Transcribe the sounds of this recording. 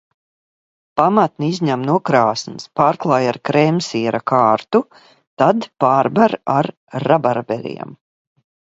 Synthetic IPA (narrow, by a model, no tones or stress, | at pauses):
pamat̪niizɲamnuɔkɾaːsnspaːɾklˠaːjaɾkɾɛmsiɛɾakʰaːɾt̪u | t̪ad̪paːɾbaɾaɾː | abaɾbɛlʲḭɛm